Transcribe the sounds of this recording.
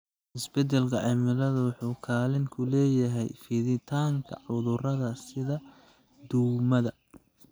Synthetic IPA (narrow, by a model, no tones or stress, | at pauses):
ʔɪsbɛd̪ɛlkʰɐʕɪmɪlɐðɐwʊħuːkʰaːlɪŋkʰʊlɛːjɐɦɛjfɪðɪt̪ʰaːŋkʰɐ̰ʕʊðʊrɐðɐsɪðɐ | d̪umɐðɐ